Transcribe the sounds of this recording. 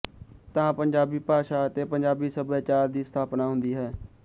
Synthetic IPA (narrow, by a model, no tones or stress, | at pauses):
t̪ãːpəɲd͡ʒaːbiːpaːʃaːət̪eːpəɲd͡ʒaːbiːsəbaːt͡ʃaːɾd̪iːst̪ʰaːpnaːɦʊ̃nd̪iːɦɛː